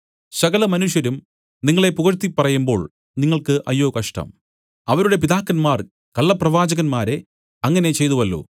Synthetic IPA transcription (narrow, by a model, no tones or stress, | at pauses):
sɐɣɐlɐmɐnuʂjɐɾum | niŋːɐɭe̞puɣɐɾt̪ːipːɐrɐjumbo̞ːɭ | niŋːɐɭkɨʔɐjːoːkɐʂʈɐ̰m | ɐʋɐɾuɽe̞p̬iðaːkːɐnmaːr | kɐɭːɐprɐʋaːd͡ʑɐɣɐnmaːɾe̞ | ɐŋːɐne̞t͡ɕe̞jt̪uʋɐlːo̰ː